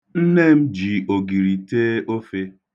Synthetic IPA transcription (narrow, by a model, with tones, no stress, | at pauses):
n̩˦ne˦m̩˦d͡ʒi˨ʔo˨ɡi˨ɾi˨teː˦ʔo˦fe˦